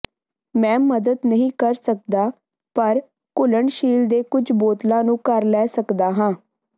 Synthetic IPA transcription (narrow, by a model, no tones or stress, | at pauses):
mɛ̃ːməd̪əd̪nəɦĩːkəɾsək̚d̪aː | pəɾ | kʊləɳʃiːld̪eːkʊd͡ʒboːt̪lãːnũːkəɾlɛːsəkd̪aːɦãː